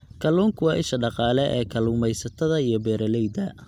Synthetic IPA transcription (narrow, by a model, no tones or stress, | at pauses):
kʰɐluːŋkʰʊwɑːʔɪʃɐɖɑqɑːlɛʔɛ̰ːkʰɐluːmɛjsɐt̪ʰɐðɐijɞbɛːɾɐlɛjd̪ɐ